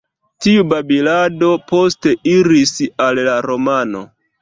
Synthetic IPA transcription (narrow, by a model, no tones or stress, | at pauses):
tiubabilado̞po̞ste̞ʔiɾisallaɾo̞mano̞̰